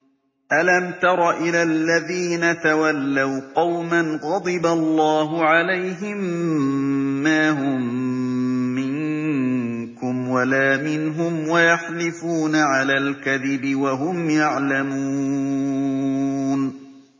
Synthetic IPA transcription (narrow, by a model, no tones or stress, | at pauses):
ʔalamt̪ɑɾˤɑʔɪlalːaðiːnat̪awalːawqɑwmanɣɑd̪ˤɨbalˤːɑːɦʊʕalajɦɪm | aːɦʊmː | ɪŋ | kʊmwalaːmɪnɦʊmwajaħlɪfuːnaʕalaːlkaðɪbɪwaɦʊmjaʕlamuː | n